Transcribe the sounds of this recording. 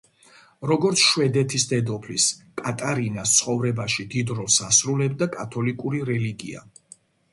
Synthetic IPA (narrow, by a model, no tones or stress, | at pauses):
ɾɔɡɔɾt̪sʰʃwɛd̪ɛt̪ʰisd̪ɛd̪ɔpʰliskʼat̪ʼaɾinast̪sʰχɔvɾɛbaʃid̪id̪ɾɔlˠsasɾulɛbd̪akʼat̪ʰɔlikʼuɾiɾɛliɡia̰